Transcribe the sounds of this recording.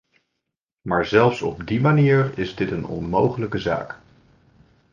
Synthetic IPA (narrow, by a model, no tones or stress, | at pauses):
maːɹzɛlˠfsɔbdimaniːɹɪzdɪtənɔ̰nmowχələkəza̰ːk